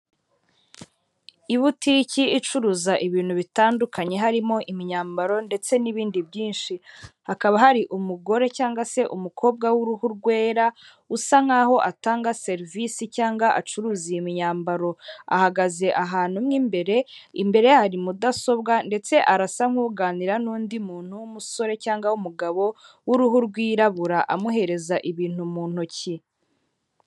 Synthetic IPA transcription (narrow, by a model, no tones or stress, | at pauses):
iβuticiit͡ʃuɾuːzaʔiβiːn̥huβitaːndukʰaɲe̞ɦaɾimo̞ʔimiɲaːmbaɾo̞nde̞t͡se̞niβiːndibɟiːnʃihakaβaɦaɾiʔumuɡo̞ɾe̞caːŋɡase̞ʔumukʰo̞ːb̚ɡawuɾuhuɾɡwe̞ːɾa | usaŋ̥aːɦo̞ʔataːŋɡase̞ɾvisicaːŋɡaʔat͡ʃuɾuːzimiɲaːmbaɾo̞a̰haɡaze̞ʔaɦaːn̥humŋiːmbe̞ɾe̞imbe̞ɾe̞jhaɾimudaso̞b̚ɡande̞t͡se̞ʔaɾasaŋ̥huːɡaːniɾanuːndimuːn̥huwumuso̞ɾe̞caːŋɡaumuɡaβo̞ | wuɾuɦuɾɡwiːɾaβuɾaʔamuɦe̞ɾe̞zaʔiβiːn̥humuːn̥huci